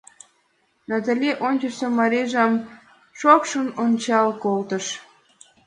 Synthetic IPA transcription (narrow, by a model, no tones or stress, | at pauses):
nɑt̪əlʲeʔonʲt͡ɕəʃsomɑɾeʒɑm | ʃokʃənonʲt͡ɕɑlkolt̪əʃ